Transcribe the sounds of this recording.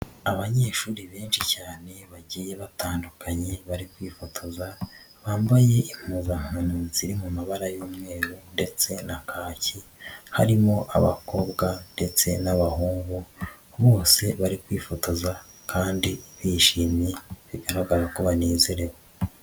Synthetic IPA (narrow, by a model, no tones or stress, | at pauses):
aβaɲe̞ːʃuːɾiβeːnʃicaːne̞βaɟiːje̞βataːndukʰaɲe̞βaɾikwiːfotʰoza | βaːmbaje̞im̥huzam̥anuziɾimumaβaɾajoːmŋe̞ːɾunde̞t͡se̞nakʰaːciha̰ɾimo̞ʔa̰βa̰ko̞βɡande̞t͡se̞̰naβahuːŋɡu | βo̞ːse̞βaɾikwiːfotoza | kʰaːndiβiʃiːmjiβiɡaɾaɡaɡakuβaneːzeɾe̞wo